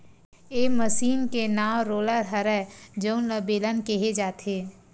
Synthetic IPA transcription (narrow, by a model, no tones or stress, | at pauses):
eːməsiːnkenaːwɾoːləɾɦəɾɛd͡ʒəʊnləbeːlənkeɦed͡ʒaːt̪ʰeː